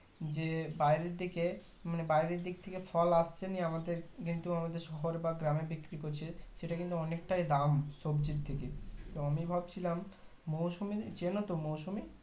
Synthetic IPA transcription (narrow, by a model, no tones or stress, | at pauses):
d͡ʑebajɾeɾd̪ike | manebajɾeɾd̪ik̚t̪ʰekefʰɔlast͡ɕʰeniamad̪eɾkint̪uamad̪eɾʃɔɦoɾbaɡɾamebikɾikoɾt͡ɕʰeʃeʈakint̪uɔnek̚ʈajd̪amʃobd͡ʑiɾt̪ʰeket̪oamibʱabt͡ɕʰilamː | owʃumit͡ɕenot̪omowʃumi